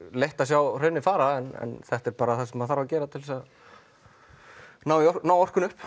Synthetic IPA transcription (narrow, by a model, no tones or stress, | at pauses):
lejht̪asjawreɥnːɪfaːɾaɛnɛ̰nθɛht̪ɛɾpaːɾaθasɛmaðθaɾvacɛːɾat̪ʰɪlvɛsa | naːwiɔnaːwɔr̥kʏnʏhp